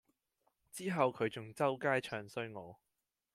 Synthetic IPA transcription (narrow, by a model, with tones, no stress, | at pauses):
t͡siː˥ɦɐ˨wkʰɵ˨˧ɥt͡sʊ˨ŋt͡sɐ˥wkaː˥jt͡ʃʰœː˨ŋsɵ˥ɥŋɔː˨˧